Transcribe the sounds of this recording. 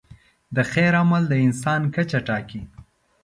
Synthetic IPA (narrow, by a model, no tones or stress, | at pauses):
d̪əxeɾamald̪əɪnsɑnkat͡ʃaʈɑki